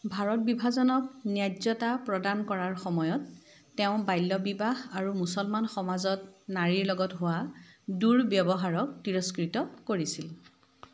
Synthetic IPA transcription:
bʱaɹɔt̚bibʱazɔnɔk̚njazɔtapɹɔdankɔɹaɹxɔmɔjɔtː | ɛʊ̃bajlːɔbibaɦaɹumusɔlmanxɔmazɔtnaɹiɹlɔɡɔtɦʊwaduɹbjɔbɔɦaɹɔk̚tiɹɔskɹitɔkoɹisil

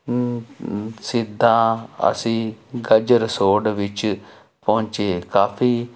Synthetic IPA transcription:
sɪd̪ʱːãːə̰sĩːɡəd͡ʒɾəsoːɖʋɪt͡ʃ | pɔʊ̃ɲt͡ʃeːkaːpʰiː

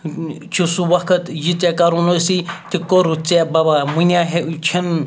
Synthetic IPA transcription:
t͡ʃʰisuʋɐkʰɐt̪jit͡sekaɾunosit̪ikoɾut͡sebɐbamunʲaɦet͡ʃʰin

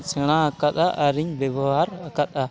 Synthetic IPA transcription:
sʰɛɽ̃aakat̪̚aʔəɾiɲbɛbɔɦaɾakat̪̚a

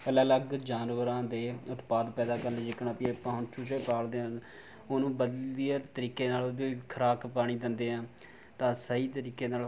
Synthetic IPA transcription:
əlaːləɡd͡ʒaːnʋəɾãːd̪eːʊt̪paːd̪pɛːd̪aːkəɾlːd͡ʒɪkɳaːpiːpãːɦʊnt͡ʃʰuːt͡ʃəiːpaːld̪eːɦən | onũːbəd̪liːaːt̪əɾiːkeːnaːloːd̪iːkʰəɾaːkpaːɽ̃iːd̪ɪnd̪eːɦãː | t̪ãːsəɦiːt̪əɾiːkeːnaːl

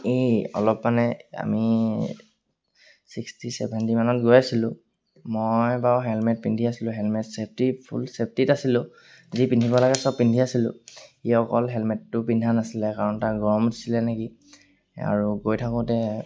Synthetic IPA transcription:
eɔ̰lɔpmanɛa̰mi | sikstisɛ̰bʱɛntimanɔtɡojasilʊ̃ | mojbaɦɛlmɛt̚pindʱiasilʊ̃ɦɛlmɛtsep̚ʰtipʰṵlsep̚ʰtitasilʊ̃ | zipindʱibɔlaɡɛsɔb̚pindʱiasilʊ̰̃iɔkɔlɦɛlmɛttːʊpindʱanasilɛkaɹɔntaɡɔɔmdisilɛneki | a̰ɹuɡojtʰakʊ̃tɛ

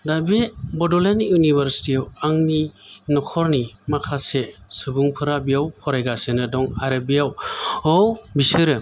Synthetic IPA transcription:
dabebɔdɔlenjunibɐɾsi̥tiawaŋninɔkʰɔɾnimakʰasesubuŋpʰɯɾabijawpʰɔɾajɡasenɯdɔŋaɾɯbijawɔwbisɯɾɯ

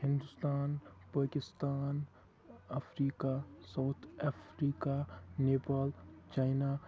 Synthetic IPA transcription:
hɪ̃nd̪ʊst̪aːnpaːkɪst̪aːn | ɐfʰɾiːkasaːt̪ʰɐfʰɾiːkaneːpaːlt͡ʃaːɪna

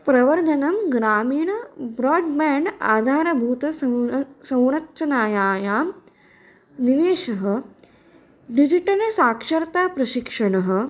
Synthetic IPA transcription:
pɾɐʋɐɾd̪ʱɐnɐmɡɾaːmiːɳɐbɾɔːɖmɛːɳɖa̰ːd̪ʱaːɾɐbʱuːt̪ɐ | sɐwɳɐtːt͡ʃɐnaːjaːjaːm | niʋeːʃɐɦɐ̆ | ɖid͡ʒiʈɐlsaːkʂɐɾt̪aːpɾɐʃikʂɐɳɐɦə̆

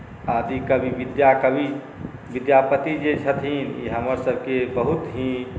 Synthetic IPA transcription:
ad̪ikəbʱiʋid̪jakəbʱi | ʋid̪japət̪id͡ʒet͡ʃʰət̪ʰinḭɦəməɾsəbʱkebəɦut̪ɦĩ

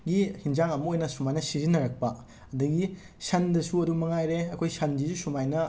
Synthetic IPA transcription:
ɡihinzaŋɐmɐojnɐsumajnɐsizinːɐɾɐk̚pɐ | ɐdɐɡi | sɐndɐsuɐdumɐŋajɾeɐkʰojsɐnd͡ʒisusumajnɐ

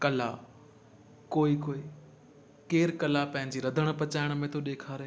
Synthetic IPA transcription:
kɐla | koːikoːi | keːɾkɐlapɐ̃ɦɪ̃ɲ̆d͡ʑiːɾɐd̪ʱəɽ̃̆pɐt͡ɕaːɪɽ̃̆mẽt̪ʰoɗeːkʰaːɾeː

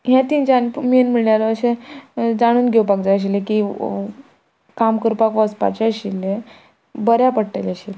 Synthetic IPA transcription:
ɦjãt̪int͡ɕanmiənm̤iɭɳjalɔəɕẽd͡zaɽ̃uːnɡʱewpakd͡zaəɕ̬ileki | kamkəɾpakɔəspa̰t͡ɕeɕile | bəɾjapəɽʈələɕil

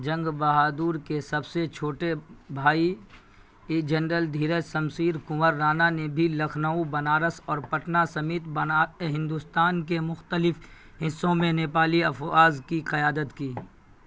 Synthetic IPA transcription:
d͡ʒɐ̃ŋɡbɐɦaːd̪uːɾkesɐbset͡ʃʰoːʈebʱaːi | d͡ʒɐnɾəld̪ʱiːɾəsɐmsiːɾkʊməɾːaːnanebʱilɐkʰnaũbɐnaːɾəsɔːɾpɐʈnasɐmeːt̪baɦɪ̃nd̪ʊst̪aːnkemʊxt̪əlɪf | ɦɪsːõmẽneːpaːliɐfaːzkiqɐjaːd̪ət̪kiː

